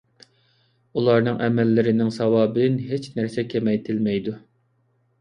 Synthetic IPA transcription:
ulˠɑɾnɨŋʔɛmɛlːɪɾɪnɪŋsɑwɑːb̪nɦet͡ʃnæɾsɛkʲʰemɛjt̪ʰɪlmɛjd̪u

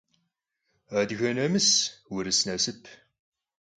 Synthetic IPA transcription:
ad̪ɣɐnɐmɨswɪɾɨsnɐsɨpʰ

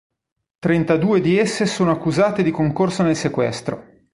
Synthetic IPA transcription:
t̪ɾent̪ad̪uːed̪iesːesoːnoakːuzaːt̪ed̪ikoŋkorsonelsekwɛ̰st̪ɾo̰

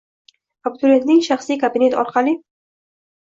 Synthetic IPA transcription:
ab̚t̪ulend̪iŋʃaχsikabinet̪ɔ̰ɾqali

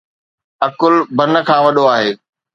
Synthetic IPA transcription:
ɐkʊlbʱɐnə̆kʰãːʋɐɗoaːɦeː

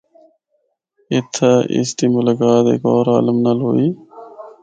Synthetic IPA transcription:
ɪt̪ʰaɪ̰sʈ̪iːmʊlakaːt̪ḛkɔːɾa̰ːləmnaloːiː

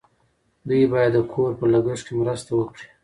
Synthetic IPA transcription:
d̪ujbɑjad̪ːəkʰoɾpəlaɡəʂkemɾast̪awəkɽi̥

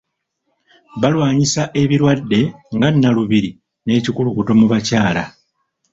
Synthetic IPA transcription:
βalwaːɲisaʔe̞βiɾwadːe̞ŋɡanːaluβiɾi | ne̞ːcikulukuto̞muβacaːla̰

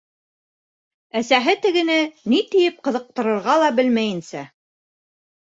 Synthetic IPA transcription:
æsæɦɘt̪ɘ̆ɡɘ̆nɘnit̪ɘ̆jɘp̚qɤ̆ðɤ̆q̚t̪ɤ̆ɾɤ̆ɾʁɑlˠɑbɘlmæjɘ̆nsæ

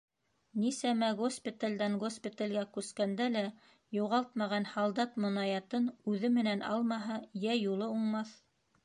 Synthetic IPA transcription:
nisæmæɡospʲit̪alʲd̪æŋɡospʲit̪alʲɡækʉskænd̪ælæ | juʁɑlˠt̪mɑʁɑnhɑlˠd̪ɑt̪mŏnɑjɑt̪ɤnʉðɘmɘ̆nænɑ̰lˠmɑɦɤjæjulˠɤuɴmɑθ

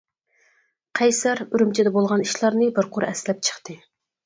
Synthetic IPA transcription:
qʰɛjsæɾyɾymt͡ʃʰɛd̪ɛbolˠʁɑniʃlˠɑɾnɨbɪɾqʰʊɾɛ̰slɛp̚t͡ʃʰə̥χt̪ɨ

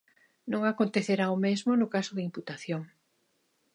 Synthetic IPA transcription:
nõŋakont̪eθeɾaomezmonʊkasʊðɪimput̪aθjoŋ

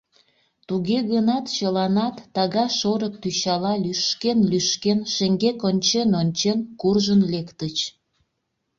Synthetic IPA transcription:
t̪uɣeɣənɑt̪t͡ɕəlɑnɑt̪ːɑɣɑʃoɾək̚t̪yɕɑlɑlyʃkenlyʃkenʃeŋɡekonʲt͡ɕenonʲt͡ɕenkurʒənlekt̪ət͡ɕ

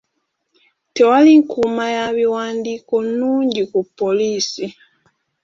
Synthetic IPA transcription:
te̞waliŋkumajaβiwaːndiːko̞nuːɲɟikupːo̞liːsi

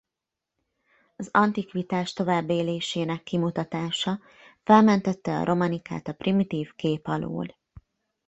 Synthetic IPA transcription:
ɒzɒnt̪ikʋit̪aːʃt̪o̞vaːbːeːleːʃeːnɛkːimut̪ɒt̪aːʃɒ | fɛlmɛnt̪ɛt̪ːɛɒ̰ɾʔo̞mɒnika̰ːt̪ɒprimit̪iːfkeːpɒlo̰ːl

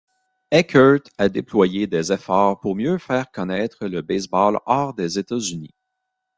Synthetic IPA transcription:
ɛkʰœ˞t̪ad̪eplwajed̪ezɛfɔːʁpuʁmjøfɛːʁkɔnɛːt̪χələbɛsbɑlɑːʁd̪ezet̪azynḭ

